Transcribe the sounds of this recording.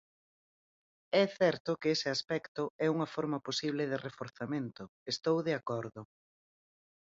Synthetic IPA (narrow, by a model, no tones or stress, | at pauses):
ɛθɛɾt̪ʊkeesɪaspɛkt̪ʊɛuŋɐfɔɾmɐposiβ̞lɪðɪrefoɾθamẽnt̪ʊest̪owðeakɔɾðʊ